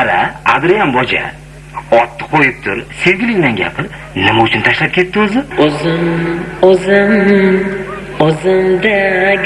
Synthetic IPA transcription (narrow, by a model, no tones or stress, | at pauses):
aɾaa̰d̪ɾijanbɒd͡ʒa̰ | ɒt̪ːɪ̥qʰojɪp̚t̪ʰʊɾse̞vɡʲɪlɪŋnanɡʲa̰pʰɪɾ | nɪmaʊt͡ʃʰʊnt̪ʰaʃlap̚kʲʰe̞t̪ʰːɪɵzɪzɪmɵzɪm | ozɪmd̪a